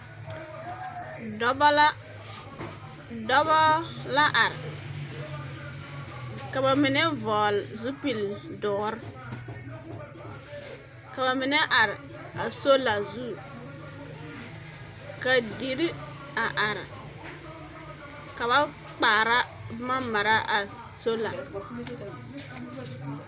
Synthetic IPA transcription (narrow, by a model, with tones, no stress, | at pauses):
b | dɔ˦bɔ˦la˦ʔa˨ɾ̰ | ka˨ba˨mɪ˨nɛ˦vɔː˨lzu˦pi˨ldɔː˨˦ɾ | ka˨βa˨mɪ˨nɛ˦ʔa˨ɾɪ˨ | a˨so˦la˨zu˦ | ka˨di˨ɾi˦ | a˨ʔa˨ɾ | ka˨βa˦ | k͡paː˨ɾa˦ | ma˦ma˨ɾa˦ʔa˨ | so˦la˨